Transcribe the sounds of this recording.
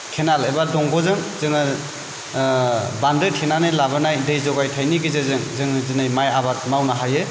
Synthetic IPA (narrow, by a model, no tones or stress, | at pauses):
kʰenalebadɔŋɡɔzɯŋzɯŋɯ | bandɯtʰenanelabɯnajdɯjzɔɡajtʰajniɡizezɯŋzɯŋɯzɯnajmajabat̚mawnaɦajɯ